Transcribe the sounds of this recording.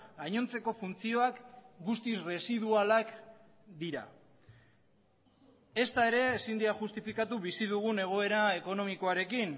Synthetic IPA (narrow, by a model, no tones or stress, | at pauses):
aɲo̞nt͡se̞ko̞funt͡sio̞akɡust̪isre̞sið̞ualak | d̪iɾa̰ | e̞st̪ae̞ɾe̞ːsind̪iaʝust̪ifikat̪uβisiðuɣ̞une̞ɣ̞o̞e̞ɾae̞ko̞no̞miko̞aɾe̞kin